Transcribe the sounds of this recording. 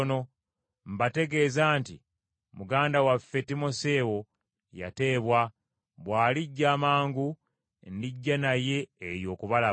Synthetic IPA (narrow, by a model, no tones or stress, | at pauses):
no̞ | m̩bate̞ɡe̞ːzaːnti | muɡaːndawafe̞timo̞se̞ːwo | ja̰te̞ːβwa | βwaːliɟːaːmaːŋɡu | ndiɟːanaje̞ːɾjo̞ːkuβala